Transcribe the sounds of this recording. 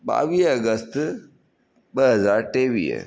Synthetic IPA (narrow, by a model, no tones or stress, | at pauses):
ba̰ʋiːəɡəst̪ | bəɦəzaːɾʈeʋḭːj̰